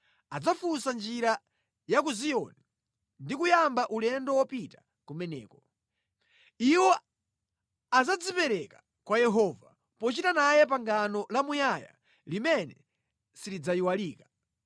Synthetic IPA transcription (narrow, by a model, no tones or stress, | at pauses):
ad͡zafusand͡ʒiɾa | jakuziɔni | ndikujambaʔulɛndɔwɔpita | kumɛnɛ̰ːkɔ | iwɔ | ad͡zad͡zipɛɾɛkḁ | kwajɛɦɔva̰ | pɔt͡ʃitanajɛpaŋɡanɔlamujaja̰ | limɛnɛ̰ | silid͡zaiwaliːkḁ